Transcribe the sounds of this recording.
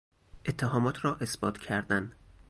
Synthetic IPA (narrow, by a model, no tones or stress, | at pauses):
ʔet̪ʰːeɦɒːmɒːt̪ʰɾɒːʔe̞sbɒːt̪ʰcʰæɾd̪æn